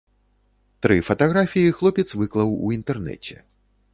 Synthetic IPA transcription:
t̪ɾɨfɐt̪aɣɾafʲijixlˠɔpʲɛt̪svɨklˠɐwuint̪ɛrnɛ̰t͡sʲɛ̰

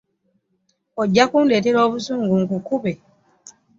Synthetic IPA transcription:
oɟːakuːnde̞ːte̞ɾo̞ːβusuːŋɡuŋkukuβe

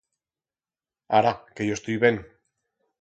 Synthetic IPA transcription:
aɾakejost̪ujβen

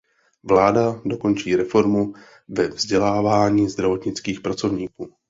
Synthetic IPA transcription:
vlaːdado̞ko̞nt͡ʃiːɾɛfo̞ɾmu | vɛvzɟɛlaːvaːɲiːzd̪ɾavo̞t̪ɲɪt͡skiːxpɾat͡so̞vɲiːkuː

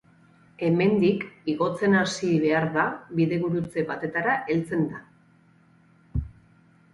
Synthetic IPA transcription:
e̞me̞nd̪ikiɣo̞t͡se̞nasiβe̞aɾðaβiðe̞ɣuɾut͡se̞βat̪e̞t̪aɾaʔe̞lt͡se̞nd̪a

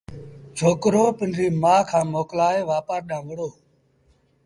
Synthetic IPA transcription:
t͡ʃʰoːkɾoːpɪnɾiːmãːkʰãːmoːklaːeːʋaːpaːɾɗãːʋəɽoː

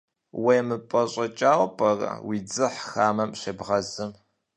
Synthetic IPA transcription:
wejmɨpʼɐɕʼɐt͡ʃʼaːwʷpʰʼɐrɐ̰wiːd͡zɨħxaːmɐmɕebʁɐzɨm

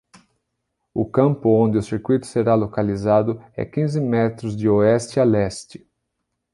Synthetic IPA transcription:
ʊkɐ̃mpʊõnd̪ɪʊsiɾkwit̪ʊ̥seɾalokalizad̪ʊɛ̰kĩzɪmɛt̪ɾʊzd͡ʒɪoɛst͡ʃɪalɛst͡ʃɪ̥

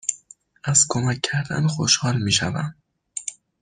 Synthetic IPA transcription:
æz̥kʰomæcʰːæɾd̪æ̰nxoʃhɒːlmiːʃæ̰væ̰m

